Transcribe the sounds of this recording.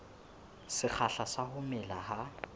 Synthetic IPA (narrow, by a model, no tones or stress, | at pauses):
sɪk͡xʰaɬasahʊmɪlaha